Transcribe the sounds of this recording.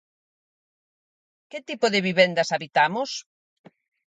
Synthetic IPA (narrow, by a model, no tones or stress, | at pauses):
kɪt̪ipoðɪβiβɛnd̪ɐsaβit̪amʊs